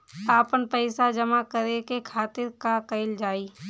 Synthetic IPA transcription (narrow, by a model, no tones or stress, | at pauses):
aːpənpəɪsad͡ʒəmakəɾekekʰaːt̪ɪɾkakəɪld͡ʒaːiː